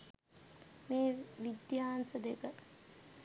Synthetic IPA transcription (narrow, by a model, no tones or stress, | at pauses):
meːʋid̪jaːnsəd̪ekə